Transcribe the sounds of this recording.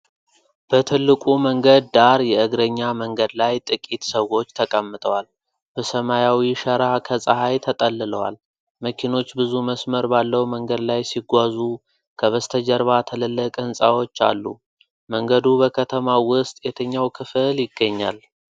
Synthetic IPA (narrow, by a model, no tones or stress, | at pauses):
b̥ət̪ʰɨlːɨkʼuməŋɡəd̪̚ːaɾjɛɨɡɾəɲːaməŋɡəd̪lajt̪ʼɨkʼit̪səwo̞t͡ʃːt̪ʰəkʼəmːɨt̪ʼəwal | b̥əsəmajawiʃəɾakʰəsʼəhajt̪ʰət̪ʼəlːɨləwa̰l | məkʰino̞t͡ʃːbɨzuməsməɾbalːəwməŋɡəd̪lajsiɡʷazu | kʰəβəst̪ʰəd͡ʒəɾβat̪ʰələlːəkʼɨnsʼawo̞t͡ʃːa̰lːu | məŋɡəd̪ubəkʰət̪ʰəmawʊst̪ʼjɛt̪ʰəɲːawkʰɨfɨljɪɡːəɲːa̰l